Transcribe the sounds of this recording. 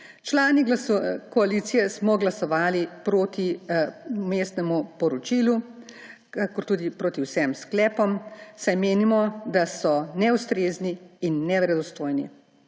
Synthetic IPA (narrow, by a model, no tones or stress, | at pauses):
t͡ʃlaːnikɔaliːt̪sijɛsmɔɡlasɔʋaːlipɾoːt̪i | meːst̪nɛmupɔɾɔt͡ʃilu | kakɔɾt̪uːd̪ipɾoːt̪iwsɛmsklɛːpɔmsajmeːnimɔd̪asɔnɛust̪ɾeːzniːnːɛʋɾɛd̪ɔst̪oːjnḭ